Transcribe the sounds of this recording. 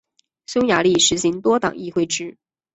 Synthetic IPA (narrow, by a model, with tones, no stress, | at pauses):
ɕʊ˥ŋja˧˥li˥˩ʂɻ̩˧˥ɕi˧˥ŋt̪wɔ˥t̪ɑ˨˩ŋi˥˧xwe˥˩ɪʈ͡ʂɻ̩˥